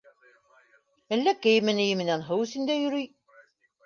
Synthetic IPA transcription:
ælːækːæjimːənæjəmnænɦəwsind̪æjuɾi

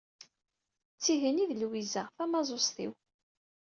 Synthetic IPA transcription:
t͡sːiɦəniðlwizəʁfæmɑzˤosθḭw

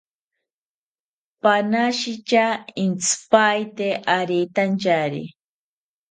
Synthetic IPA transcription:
panaʃit͡ʃaint͡spajt̪eʔaɾit̪ant͡ʃaɾḭ

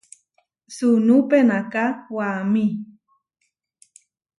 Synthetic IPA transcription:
sunupenakawami

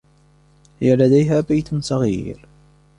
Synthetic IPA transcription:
hɪjalad̪ajɦaːbajt̪sˤɑɣḭːɾ

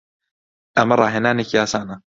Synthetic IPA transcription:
ʔɐmɐrˤɑ̰ːɦeːnaːnekijaːsaːnɐ

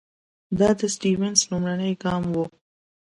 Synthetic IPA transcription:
d̪ɑːd̪əsʈiːwensnumɾanəjɡɑːmwu

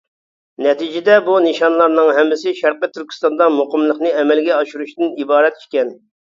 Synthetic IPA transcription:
nɛt̪id͡ʒɪd̪ɛbunɨʃɑnlˠɑɾnɨŋɦɛmːɪsɪʃæɾqət̪ʰyɾkʲi̥st̪ɑnd̪ɑmoqəmlˠəqnɨɛmɛlɡʲɛɑʃuɾuʃt̪ɨnibɑːɾɛt̪i̥ʃkʲɛn

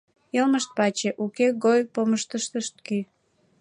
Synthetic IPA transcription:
jelməʃt̪̚pɑt͡ɕeʔukeɣojpoməʃt̪əʃt̪əʃt̪̚ky

